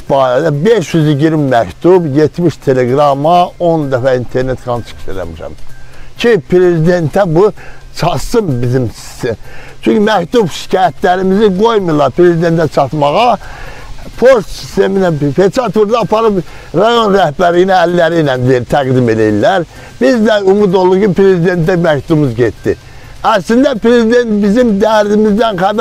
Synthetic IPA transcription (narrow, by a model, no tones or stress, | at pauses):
bɑːɾæd̪æbe̞ʃjyziɟiɾimmækt̪ʰubje̞t̪miʃt̪ʰe̞leɡɾɑmɑo̞nd̪æfæint̪ʰe̞ɾne̞t̪ɡɑnt͡ʃʰɯ̥kʃelæ̰miʃæ̰mcʰipʰɾe̞zid̪e̞nt̪ʰæbut͡ʃʰɑt̪sɯmbizimsi̥st̪ʰemt͡ʃʰyɲcymækt̪ubʃi̥cʰɑːjæt̪ʰlæɾimiziɡo̞jmujlˠːɑɾpɾe̞zid̪e̞nt̪ʰæt͡ʃʰɑt̪mɑɣɑ | pʰost̪si̥st̪e̞minæfet͡ʃɑt̪ʰuɾd̪ɑːpɑɾɯp | ɾɑjo̞nɾæhbæɾlijiniælːæɾinænd̪ijeɾt̪ʰæɡd̪ime̞lejilːæɾ | bizd̪æumud̪olˠd̪ukipɾe̞zid̪e̞nt̪ːæmækt̪ʰubmuzɟet̪ːi | æslind̪æpʰɾe̞zid̪e̞nt̪bizimd̪æɾd̪imizd̪ænχæd̪